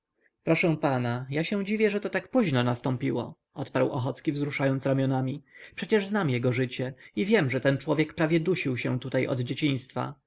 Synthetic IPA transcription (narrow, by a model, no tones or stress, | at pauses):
pɾɔʂɛ̃panajaɕɛw̃d͡ʑivʲjɛʐɛt̪ɔt̪akpuʑnɔnast̪ɔ̃mpʲiwɔ̰ | ɔt̪paɾwɔxɔt̪skʲivzɾuʂajɔnt̪sɾamʲjɔnamʲipʂɛt͡ɕɛʐznamjɛɡɔʐɘt͡ɕɛivʲjɛmʐɛt̪ɛnt͡ʂwɔvʲjɛkpɾavʲjɛd̪uɕiwɕɛ̃t̪ut̪ajɔ̰d̪d͡ʑet͡ɕiɲ̃st̪fa̰